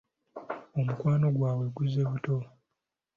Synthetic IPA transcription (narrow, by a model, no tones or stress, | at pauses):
o̞mukwaːno̞ɡwaːβwe̞ɡuze̞βuto̞